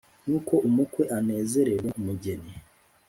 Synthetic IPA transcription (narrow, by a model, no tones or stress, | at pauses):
nuːko̞ʔumukwe̞ʔane̞ːze̞ɾeɾemuɟe̞ne